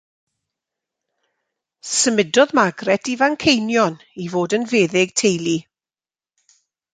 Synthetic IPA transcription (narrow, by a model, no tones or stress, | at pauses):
səmɪdɔðmaɡrɛtʰivaŋkʰejnjɔn | ivoːdənveːðɪɡ̥̚tʰejlˠi